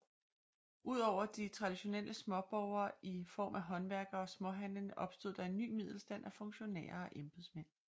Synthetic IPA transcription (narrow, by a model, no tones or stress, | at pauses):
uð̞̰ˠɒʊ̰ɐd̥it͡sʰʁɑ̈d̥iɕo̝nel̰ʔəsmɒ̽b̥ɒʊɐːifɒ̰ːmʔæɦɒ̽nʋæɐɡ̥ɐɒ̽smɒ̽ɦænənʔɒ̽b̥sd̥o̝ð̰ˠd̥ɑ̈e̝nːy̰ːmið̞̰ˠl̩sd̥æn̰ʔæfɔ̽ŋɕo̝nɛ̰ːɐɒ̽ʔemb̥ð̩ˠsmen̰